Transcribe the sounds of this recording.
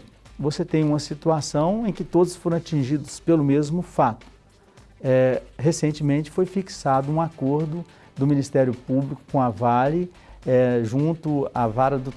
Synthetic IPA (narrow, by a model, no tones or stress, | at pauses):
voset̪ẽj̃ũmɐsit̪uasɐ̃w̃ẽj̃kɪt̪od̪ʊsfoɾɐ̃w̃at͡ʃĩʒid̪ʊspelʊmezmʊfat̪ʊ̥ | ɛhesẽnt͡ʃɪmẽnt͡ʃɪ̥fojfiksad̪ʊũakoɾd̪ʊ | d̪ʊminist̪ɛɾjʊpublikʊ̥kõavalɪ | ɛʒũnt̪ʊavaɾɐd̪ʊ